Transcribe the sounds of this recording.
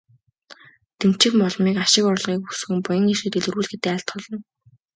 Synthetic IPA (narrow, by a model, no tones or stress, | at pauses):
t̪ʰem̥t͡ɕɪ̆kmɔɮmiːkaʃɪ̆kʊrɮʁiːkus̆xɘ̆mpʊjə̆ŋisɘ̆ːt̪eɮɵ̆rɣuːɮɡet̪eːaɬt̪χɔ̆ɮɞ̆n